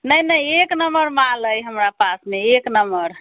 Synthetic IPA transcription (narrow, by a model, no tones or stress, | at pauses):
nəjnəjeknəməɾmãləjɦəmɾapasmeeknəmbəɾ